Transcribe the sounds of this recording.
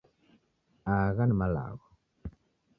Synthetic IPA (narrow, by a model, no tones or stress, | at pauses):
aɣanmala̰ɣo